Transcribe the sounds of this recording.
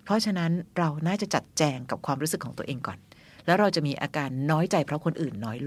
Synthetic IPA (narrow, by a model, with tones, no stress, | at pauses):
pʰɾɔ˦˥t͡ɕʰa˧na˦˥nɾa˧wnaː˥˩t͡ɕa˨˩t͡ɕa˨˩t̪̚t͡ɕɛː˧ŋka˨˩p̚kʰwaː˧mɾu˦˥sɯ˨˩kʰːɔː˩˦ŋt̪u˧əʔeː˧ŋkɔː˨˩n | lɛː˦˥wɾa˧wt͡ɕa˨˩miː˧ʔa̰ː˧kaː˧nːɔː˦˥jt͡ɕa˧jpʰɾɔ˦˥kʰo˧nʔɯː˨˩nːɔː˦˥jl